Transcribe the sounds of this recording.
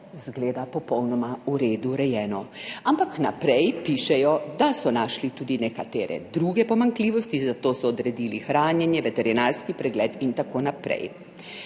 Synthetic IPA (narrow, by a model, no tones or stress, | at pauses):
zɡleːd̪apɔpɔwnɔmauɾeːd̪uɾɛjɛːnɔampakna̰pɾɛjpiʃɛjɔd̪asɔnaːʃlit̪uːd̪inɛkat̪eːɾɛ̰d̪ɾuːɡɛpɔmaŋkliːʋɔst̪izat̪oːsɔːd̪ɾɛd̪iːlixɾaːnjɛnjɛʋɛt̪ɛɾinaːɾskipɾɛɡlɛt̪int̪akoːnapɾɛ̰j